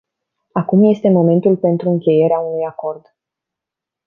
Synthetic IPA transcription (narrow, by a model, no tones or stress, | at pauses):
akumje̞st̪e̞mo̞me̞nt̪ulpe̞nt̪ɾuɨŋkʲe̞je̞ɾeaunujako̞rd̪